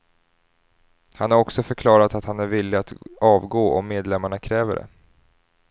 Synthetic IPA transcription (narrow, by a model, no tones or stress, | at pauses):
hanhaɾɔksɔfœɾkʰlɑːɾat̪at̪hanæɾvɪlːɪat̪ɑːvɡoːʔɔmːeːd̪lɛmːaɳakʰɾɛːvə̰ɖɛ̰